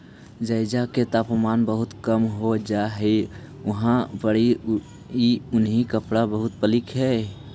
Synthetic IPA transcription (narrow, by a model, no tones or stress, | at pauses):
d͡ʒəɪd͡ʒaket̪apmanbəɦut̪kəmɦod͡ʒaɦɛ | uɦãbəɽi | iunɦikəpɽabəɦut̪̚pəlikɦɛ